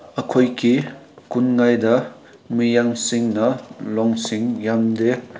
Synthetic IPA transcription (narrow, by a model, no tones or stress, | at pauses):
ɐkʰojki | kunŋajdɐ | mijaŋsiŋnɐlɔŋsiŋjamde